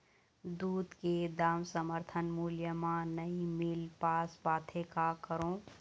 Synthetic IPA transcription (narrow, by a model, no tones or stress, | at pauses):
d̪uːd̪ked̪aːmsəməɾt̪ʰənmuːljəmãnəimɪlpaːsbaːt̪ʰekakəɾõː